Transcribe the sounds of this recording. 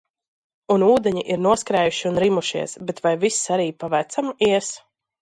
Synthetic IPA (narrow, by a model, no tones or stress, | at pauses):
unuːd̪ɛɲiʔiɾnuɔskɾɛːjuʃiunɾimuʃiɛsbɛt̪vajvisːaɾiːpavæt̪samiɛs